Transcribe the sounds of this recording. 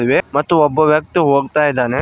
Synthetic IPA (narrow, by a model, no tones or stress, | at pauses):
ʋemɐt̪ːuɔbːɐʋjɐk̚t̪uɦoːɡt̪aːjid̪ːaːne